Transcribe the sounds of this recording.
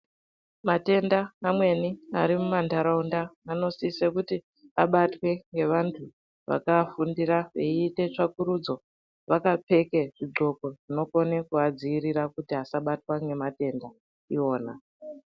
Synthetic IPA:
mate̞ndaːmwe̞niaɾimumandaɾaundaːno̞sisekuti | aɓatwe̞ŋɡe̞ʋantʰu | ʋa̰kafundiraḛiːte̞t͡ʂakuɾud͡zo̞ | ʋakape̞keʐ̥iɡ͡ǃo̞ko̞ʐino̞ko̞nekuad͡ziːrirakutiɦasaɓatwaŋɡe̞mate̞nda | io̞ːna

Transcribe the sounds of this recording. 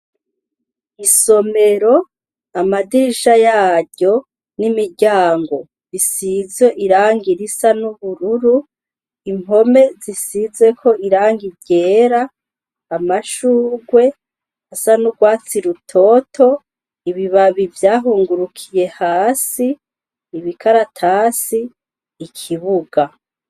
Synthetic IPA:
iso̞me̞ɾo̞ | amadiʒajaːɟo̞ | nimiɟaːŋɡo̞ | isize̞ʔiɾaːŋɡiɾisanuβuɾuɾu | imo̞me̞zisize̞kʰo̞iɾaːŋɡiɟeːɾaː | maʃuːɡwe̞ | asanuɡwaːt͡siɾutʰo̞ːtʰo̞ | iβiβaβivjaːɦuːŋɡuɾukʰije̞haːsiː | βikʰaɾatʰaːsiː | kʰiβuɡa

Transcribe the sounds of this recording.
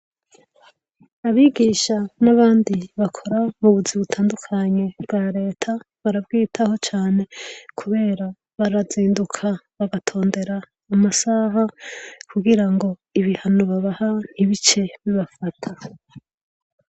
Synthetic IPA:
aβiːɡiːʃanaβaːndiβakʰo̞ɾamuβuziβutʰaːndukʰaɲe̞bɡaːɾe̞ːtʰa | βaɾabɡiːtʰaho̞t͡ʃaːne̞kʰuβe̞ːɾa | βaɾaziːndukʰaβaɡatʰo̞ːnde̞ɾaː | masaɦakʰuɡiɾaŋɡo̞iβihanoβaβahan̥iβit͡ʃe̞βiβafatʰa

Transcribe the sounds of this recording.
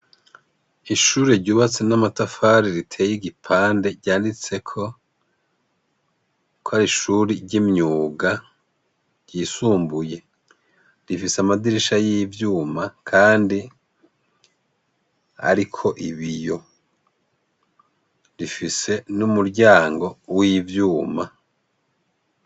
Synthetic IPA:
iʃuːɾeɾɟuːβat͡se̞namatafaɾiɾitʰe̞ːjiɡipʰaːnde̞ɟaːndit͡se̞kʰo̞ | kʰohaɾiʃuːɾiɾɟimɲuːɡa | ɟiːsuːmbuje̞ | ɾifiseamadiɾiʃajivjuːmakʰaːndi | ha̰ɾikʰo̞ʔiβijo̞ | ɾifise̞numuɾɟaːŋɡo̞wivjuːma

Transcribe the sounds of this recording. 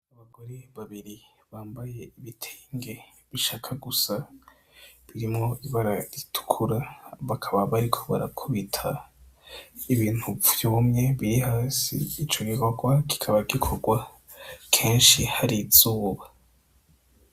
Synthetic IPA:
aβaɡo̞ɾe̞βaβiɾi | βaːmbaje̞iβitʰeŋɡe̞ | βiʃaːkʰaɡusa | βiɾimŋo̞iβaɾaɾitʰu̥kʰuɾaβakʰaβaβaɾikʰo̞βaɾakʰuβitʰa | iβiːn̥huvv̥juumŋe̞βiɾihaːsḭːt͡ʃo̞ɡiko̞ɡwaki̥kʰaβaɡikʰo̞ɡwa | kʰe̞ːnʃihaɾiz̥uːβa

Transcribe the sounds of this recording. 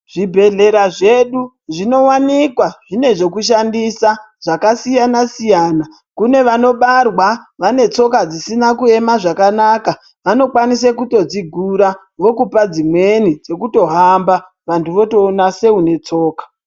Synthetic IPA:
ʐ̥ibʱe̞ɮe̞ɾaʐe̞ɗu | ʐino̞wanikwaʐine̞ʐe̞kuʃ̬andisa | ʐ̥akasijanasijaːna | kune̞ʋano̞ɓarwaʋane̞t͡so̞kad͡zisinakue̞maʐakanaka | ʋano̞kwanisekuto̞d͡ziɡʱuɾa | ʋo̞kupad͡zimwe̞nid͡ze̞kuto̞ɦamba | ʋantuʋo̞to̞ːnase̞une̞t͡so̞ːkḁ

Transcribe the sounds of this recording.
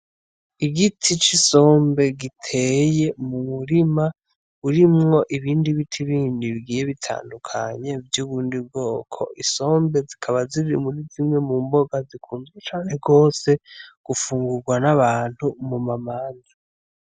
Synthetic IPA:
iɡitʰit͡ʃiso̞ːmbe̞ɡitʰe̞je̞mumuɾima | uɾimŋo̞ʔiβiːndiβitʰiβiːndiβiɡiːje̞βitʰa̰ːndukʰaɲe̞vjuβuːndib̚ɡo̞ːkʰo̞̰ʔiso̞ːmbe̞zikʰaβaziiɾḭmuɾizimŋe̞muːmbo̞ɡazikʰuːnzɡet͡ʃaːneɡo̞ːse̞ɡ̥ufuːŋɡuɾɡwanaβaːn̥humumamaːnza

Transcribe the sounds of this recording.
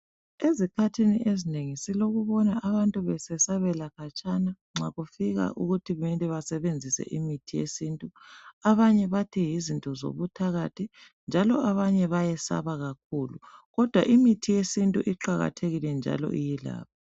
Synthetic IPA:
ezikʰatʰiniʔezineŋisiloɣuβɔnaaβantʼuβɛsɛsaβɛlakʰat͡ʃʼana | ŋ͡ǁaɣufiɣa̰ʔuɣutʰiβɛntʼɛβasɛβend͡zʱisɛ̰ʔimitʰijḛsintʼuaβaɲɛβatʰijizintʼɔzo̰βutʰaɣatʰi | nd͡ʒʱalɔʔaβaɲɛβajɛsa̰βaɣak̚ʰuːluɣɔd̥ʱwaʔimitʰijesintʼuʔiǃaɣa̰tʰeɣilɛnd͡ʒʱa̰lɔ̰ʔijila̰ːp̚ʰa

